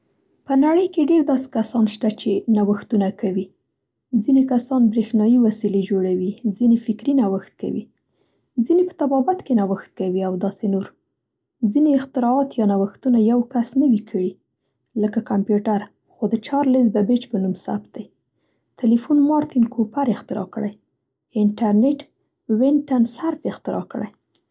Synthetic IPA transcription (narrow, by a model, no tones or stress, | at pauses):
pənaɽəjkeɖeɾd̪ɑse̥kasɑnʃt̪at͡ʃenawəxt̪unakawi | zinekasɑnbɾexnɑjiwasiled͡ʒoɽawizinefɪkɾinawəxt̪̚ka̰wḭ | zinepə̥t̪abɑbat̪kenawəxt̪̚kawiawd̪ɑsenoɾ | zineɪxt̪ɪɾɑːt̪jɑnawəxt̪unajawkasnəwikʰəɽi | ləkakampjuʈaɾ | xod̪ət͡ʃɑɾlezbabet͡ʃpənumsa̰p̚t̪̚d̪aj | t̪ɪlifunmɑɾt̪inkʰopaɾɪxt̪ɪɾɑ̰kəɽaj | ɪɳʈaɾneʈ | wɪnʈansaɾfɪxt̪ɪɾɑ̰kə̰ɽa̰j